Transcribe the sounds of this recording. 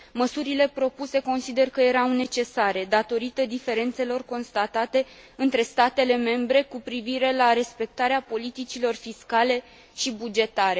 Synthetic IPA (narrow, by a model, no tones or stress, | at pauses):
məsuɾile̞pɾo̞puse̞ko̞nsid̪e̞rkəje̞ɾawne̞t͡ʃe̞saɾe̞d̪at̪o̞ɾit̪əd̪ife̞ɾe̞nt̪se̞lo̞rko̞nst̪at̪at̪e̞ɨnt̪ɾe̞st̪at̪e̞le̞me̞mbɾe̞kupɾiviɾe̞laɾe̞spe̞k̚t̪aɾeapo̞lit̪it͡ʃilo̞rfiskale̞ | ʃibud͡ʒe̞t̪aɾe̞